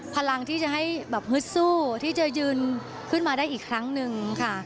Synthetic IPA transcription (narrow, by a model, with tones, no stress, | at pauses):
pʰa˧la˧ŋt̪ʰiː˥˩t͡ɕa˨˩ɦa˥˩jbɛː˨˩p̚ŋɯ˦˥t̪̚suː˥˩t̪ʰiː˥˩t͡ɕa˨˩jɯː˧n | kʰɯ˥˩nmaː˧daː˥˩jʔiː˨˩kʰɾa˦˥ŋnɯ˧ŋkʰa˥˩